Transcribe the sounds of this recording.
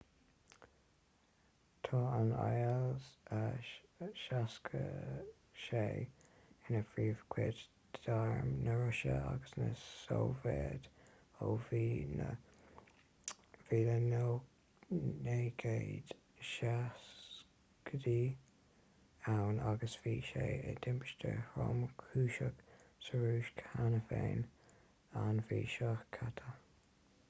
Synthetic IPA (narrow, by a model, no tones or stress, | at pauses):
t̪ʰɑːəna̰jəlzə | ʃaskʰə̰ | ʃejɪnəfɹiːv̥kʰweːd | dd̥aɹmnəɹʊʃə̰a̰ɡəsnəsowveːd̪̥ | oviːnə | v̥iːləno | neːɡ̥eɪd̪̥ | ʃas | kədiː | awnaɡəsv̥iːʃeːəd̪̥ɪmpɪ̥ʃtəhɾɔmkʰuːʃəɡ̥səɹuːʃkʰanəfeːn | anviːʃɔhkʰat̪ʰə